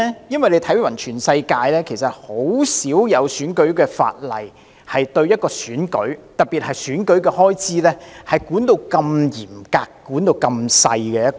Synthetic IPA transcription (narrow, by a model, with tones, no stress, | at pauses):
jɐ˥nwɐ˨˩jle˨˧jt̪ʰɐ˨˥jwɐ˨˩nt͡ʃʰyː˨˩nsɐ˧jkaː˧jlɛː˥kʰe˨˩jsɐ˨t̚ho˨˥wsiː˨˥wjɐ˨˧wsyː˨˥nkɵ˨˥ɥkɛː˧fa̰ː˧t̚lɐ˨˩j | hɐ˨jt̪ɵ˧ɥjɐ˥t̚kɔː˧syː˨˥nkɵ̰˨˥ɥt̪ɐ˨t̚piː˨t̚hɐ˨jsyː˨˥nkɵ˨˥ɥkɛ˧hɔː˥jt͡siː˥lɛː˥hɐ˨jkuː˨˥nt̪o˧wkɐ˧mjiː˨˩mkaː˧kkːuː˨˥nt̪o˧wkɐ˧msɐ̰˧jkɛː˧jɐ˥t̚